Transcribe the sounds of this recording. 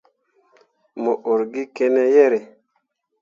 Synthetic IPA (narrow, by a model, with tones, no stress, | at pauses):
mo˨ʔo˨ɾɡi˦kɛ˦nɛ˦jɛ˦ɾe˨